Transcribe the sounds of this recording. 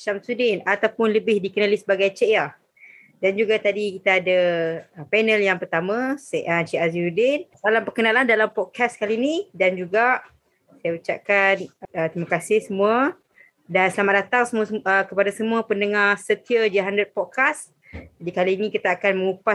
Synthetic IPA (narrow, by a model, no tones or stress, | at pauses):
ʃamsudɪnat̪awpʊnləbɪhdikənalisəbaɡajt͡ʃea | dand͡ʒuɡat̪adikit̪aːdapɛnəljaŋpərt̪amãsʔət͡ʃiazisudɪnsalampərkənalandalampɔd̚kʰaskalinidand͡ʒuɡaʔ | sajaut͡ʃap̚kanət̪ɾimakasɪhsəmũa | dansəlamaʔ̚dat̪aŋsəmuaəkəpadasəmuapəndəŋahsət̪iəd͡ʒəɦandəd̪̚pɔd̚kas | d͡ʒadikaliːnĩkit̪aːkanmə̃ŋupa